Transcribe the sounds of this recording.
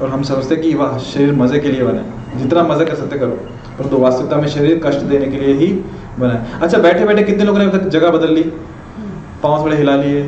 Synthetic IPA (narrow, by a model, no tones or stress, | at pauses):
ɔːɾɦɐmsɐməd͡ʒt̪eɦẽkiʋaʃɐɾiːɾmɐzekeliebɐnḛː | d͡ʒɪt̪namɐzakɐɾsɐk̚t̪ẽkɐɾo̰ː | pɐɾd̪oːʋaːst̪ɪt̪amẽʃɐɾiːɾkɐʃʈd̪eːnekelieɦi | bɐnaeɐtːʃʰabɛːʈʰebɛːʈʰekɪt̪neloːɡõneɐbit̪ɐkd͡ʒɐɡabɐd̪əlːi | pãːsbɐɽeɦɪlaːlieː